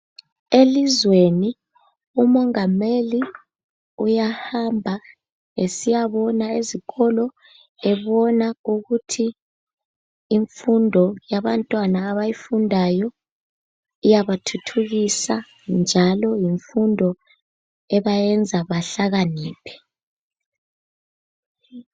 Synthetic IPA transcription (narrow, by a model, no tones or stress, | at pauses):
elizweni | umɔŋameli | ujahambʱa | esijaβɔnaeziɣɔlɔ | ɛβɔnauɣutʰi | ɱfundʱɔjaβantʼwanaːβajifundʱajɔ | ijaβatʰutʰuɣisa | nd͡ʒʱalɔjiɱfundʱɔ | ɛβajɛnd͡zʱaβaɬaɣaniːpʰɛ̥